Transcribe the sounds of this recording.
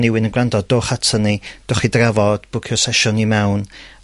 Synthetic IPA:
nɪwɪnənɡrandɔd̚doːχatʰənid̥oχidravɔd̥b̥ʊkʰɔsɛʃʊnimɛwn

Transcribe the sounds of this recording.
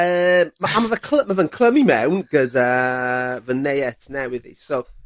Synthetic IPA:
əːmmaʔamavəkʰləmavənkʰlˠəmimɛwnɡ̥ədəːvənejɛtʰnɛwɪðḭso

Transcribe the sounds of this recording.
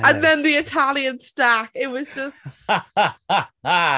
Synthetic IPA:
ɨ̃nðɨ̃nðiɨtʰælˠjɨ̃nstækɪt̚wʌzd͡ʒʌst̚

